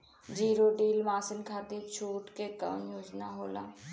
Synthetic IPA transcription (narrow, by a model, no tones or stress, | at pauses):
d͡ʒiːɾoɖiːlmaːsɪnkʰaːd̪iːt͡ʃʰuːʈkekəʋnjoːd͡ʒnaɦoːla̰ː